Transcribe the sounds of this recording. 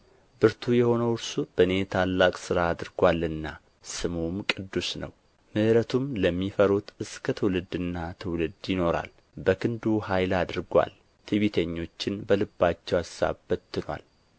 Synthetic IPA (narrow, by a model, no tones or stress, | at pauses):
bɨɾt̪ʰujɛho̞nəwʊɾsub̥əɨne̞t̪ʰalːakʼsɨɾaːd̪ɨɾɡwalːɨnːa | sɨmumkʼɨd̪ːusnə̰w | mɨʔɾət̪ʰumləmːifəɾut̪ʰɨskʰət̪ʰɨwlɨd̪ɨnːat̪ʰɨwlɨd̪jɪno̞ɾa̰l | bəkʰɨnd̪uhajlad̪ɨɾɡʷa̰l | t̪ʰiβit̪ʰəɲːo̞t͡ʃːɪnbəlɨbːat͡ʃːɛwasːa̰βbət̪ːɨnwa̰l